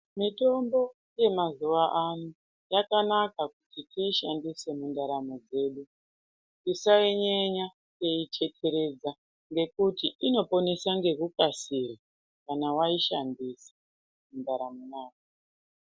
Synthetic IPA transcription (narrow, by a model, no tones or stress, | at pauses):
mito̞mbo̞ | je̞mazuʋaʔanu | jakanakakutitʰiːʃandise̞mundaɾamo̞d͡ze̞ːɗu | tisaiɲeɲa | jeit͡ʃe̞tʰe̞ɾe̞d͡za | ŋɡe̞kutiʔino̞po̞nesaŋɡe̞kukasira | kanawaiʃandisḁ | mundaɾamonaːka